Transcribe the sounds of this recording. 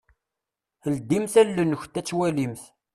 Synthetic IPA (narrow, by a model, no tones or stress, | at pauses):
əld̪imθælːənːəçt̪ːæt͡sːwælimθ